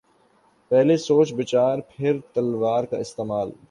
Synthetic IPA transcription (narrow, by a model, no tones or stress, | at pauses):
pɛɦlesoːt͡ʃbɪt͡ʃaːɾpʰɪɾt̪ɐlʋaːɾka̰ɪst̪eːmaːl